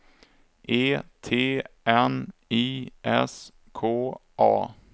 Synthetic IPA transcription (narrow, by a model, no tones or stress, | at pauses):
ʔeːt̪ʰeːʔɛniːʔɛ̰s | kʰoːʔɑ̰ː